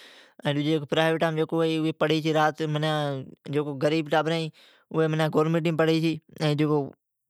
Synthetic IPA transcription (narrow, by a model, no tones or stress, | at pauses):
ɛ̃ːɗʊd͡ʒeːkoːpɾaːɪʋeʈːaːmd͡ʒeːkoɦeʊɦeːpəɽ̤it͡ʃʰiːɾaːt̪mənãːd͡ʒeːkoːɡəɾiːbʈaːbɾãːĩː | ʊɦemənãːɡoːɾmẽʈ̬ɪ̃ːpəɽet͡ʃʰiːɛ̃ːd͡ʒeːkoː